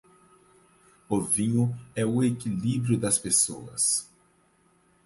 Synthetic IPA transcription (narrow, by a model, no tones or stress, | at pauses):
ʊvĩɲʊɛʊekilibɾjʊd̪ɐspeso̰ɐ̰s